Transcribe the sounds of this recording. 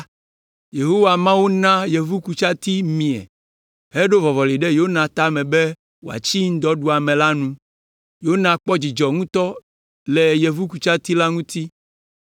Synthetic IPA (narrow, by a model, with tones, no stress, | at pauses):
je˨ɦo˦wa˨mã˦wu˦nã˦je˨vu˦ku˨t͡ʃa˦t̪i˦mĩ˨ɛ̰˨ | ɦe˦ɖo˦vɔ˨vɔ˨li˨ɖe˦jo˦nã˨t̪a˦mɛ̃˨be˦ | wo˨a̰˨t͡ɕi˦ŋ̩˦d̪ɔ˦ɖu˦a˨mẽ˨la˦nũ˦ | jo˦nã˨k͡pɔ˦d͡ʑi˨d͡ʒɔ˨ŋũ˦t̪ɔ˦ | lɛ˨je˨vu˦ku˨t͡ʃa˦t̪i˦la˦ŋũ˦t̪i˦